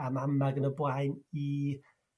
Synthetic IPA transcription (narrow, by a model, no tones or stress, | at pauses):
amamaɡənəblajni